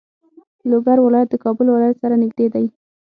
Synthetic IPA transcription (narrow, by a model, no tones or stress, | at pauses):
loɡaɾwɪlɑjat̪̚d̪əkɑbʊlwɪlɑjat̪saɾanɪɡd̪ed̪aj